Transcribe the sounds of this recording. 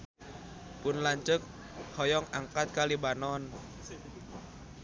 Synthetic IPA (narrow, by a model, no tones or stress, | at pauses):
pʊnlaɲt͡ʃək̚ | hɔjɔŋaŋkat̪̚kalibanɔn